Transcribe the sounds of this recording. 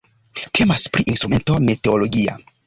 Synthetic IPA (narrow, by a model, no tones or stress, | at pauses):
tʰe̞maspɾiʔinstɾume̞nto̞mete̞olo̞ɡia̰